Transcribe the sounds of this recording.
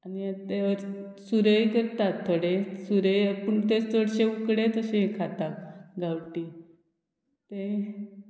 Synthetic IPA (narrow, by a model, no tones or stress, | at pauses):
anit̪eəɾ | suɾəjkəɾt̪at̪ʰːoɽesuɾəjpəɳt̪et͡st͡soɽɕeukɽet̪əɕẽkʰat̪akɡawʈi | t̪ẽ